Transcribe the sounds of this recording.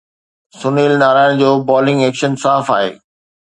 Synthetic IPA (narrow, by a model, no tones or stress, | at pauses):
sʊniːlnaːɾaːɪɽ̃d͡ʑoːbɔːlɪ̃ŋɡeːkʃənsaːfaːɦḛː